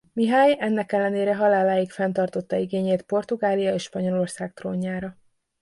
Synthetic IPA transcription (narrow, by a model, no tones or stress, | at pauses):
miɦaːjɛnːɛkɛlːɛneːɾɛɦɒlaːlaːjikfɛnt̪ɒrt̪o̞t̪ːɒiɡeːɲeːt̪po̞rt̪uɡaːlijɒeːʃpɒɲo̞lo̞rsaːk̚t̪roːɲːaːɾɒ